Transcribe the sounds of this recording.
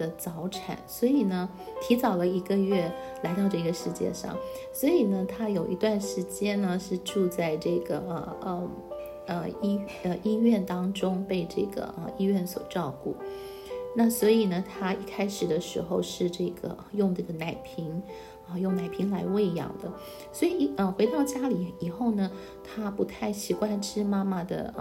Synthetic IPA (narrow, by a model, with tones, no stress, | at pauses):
ə˧t͡sɑ˧˥ʊʈ͡ʂʰa̰˨˩˦nswɔ˧˥i˨˩nə˦ | t̪ʰi˧˥t͡sɑ˨˩ʊlə˦i˧˥ɡə˧ɥɛ˥˩la˧˥ɪt̪ɑ˥˧ʊʈ͡ʂɤ˥˧˩ɡə˩ʂɻ̩˥˧t͡ɕjɛ̰˥˧ʂɑ̰˥˩ŋswɔ˧˥i˨˩nə˦t̪ʰa˥jo˨˩ʊʔḭ˧˥t̪wa˥˩nʂɻ̩˧˥t͡ɕjɛ˥nnə˧ʂɻ̩˥˧ʈ͡ʂu˥˧t͡sa˥˧ɪʈ͡ʂɤ˥˩ɡə̰˩ə˩ə˧˩ | ə˧i˥ə˧ʔi˥ɥɛ˥˩nt̪ɑ˥ŋʈ͡ʂʊ˥ŋpe˥˧ɪʈ͡ʂɤ˥˩ɡə̰˩ʔə̰˧i˥ɥɛ˥˩nswɔ˨˩ʈ͡ʂɑ˥˧ʊkṵ˥˩ | na˥˩swɔ˧˥i˨˩nə˦t̪ʰa˥i˥˩kʰa˥ɪʂɻ̩˨˩d̪ə˦ʂɻ̩˧˥xo˥˧ʊʂɻ̩˥˧ʈ͡ʂɤ˥˩ɡə̰˩˧jʊ˥˧ŋʈ͡ʂɤ˥˩ɡə˩na˨˩ɪpʰi˧˥ŋ | ə˧jʊ˥˩ŋna˨˩ɪpʰi˧˥ŋla̰˧˥ɪwe˥˩ɪjɑ̰˨˩ŋd̪ə˦ | swɔ˧˥i˨˩˥ə˧xwe˧˥ɪt̪ɑ˥˩ʊt͡ɕja˥li˨˩i˨˩xo˥˩ʊnə˩ | t̪ʰa˥pu˧˥t̪ʰa˥˩ɪɕi˨˩xwa˥nʈ͡ʂʰɻ̩˥ma˥ma˨d̪ə̰˩